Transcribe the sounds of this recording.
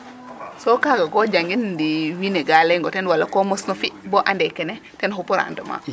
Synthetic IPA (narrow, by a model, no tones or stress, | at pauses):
sokaɡaɡoɟaŋɡindiwineɡaleŋɡɔtɛnwalakomosnofiboʔandɛkːɛne | tɛnɦupuɾa̰ːndoma̰